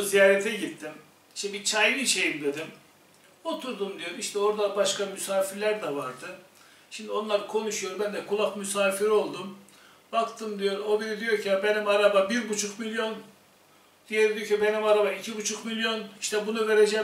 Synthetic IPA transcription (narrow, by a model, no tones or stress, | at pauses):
zijaːɾɛt̪ʰɛɟit̪ʰːim | iʃt̪ɛbit͡ʃʰajliʃe̞jimd̪e̞d̪im | o̞t̪ʰuɾd̪umd̪ijo̞ɾumiʃt̪ʰɛo̞ɾd̪abaʃkamysaːfiɾlʲæɾd̪ɛvaɾd̪ɯ | ʃimd̪io̞nlˠaɾkʰo̞nuʃujo̞ɾmbænd̪ɛkʰulˠakmysaːfiɾo̞lˠd̪um | bakt̪ʰɯmd̪ijo̞ɾo̞binid̪ijo̞ɾcʰiabenimaɾababiɾbut͡ʃʰukmilʲjo̞n | d̪̥ijeɾid̪ijocibe̞nimaɾabaicʰibut͡ʃʰukmilʲjo̞niʃt̪ʰɛbunuve̞ɾed͡ʒɛ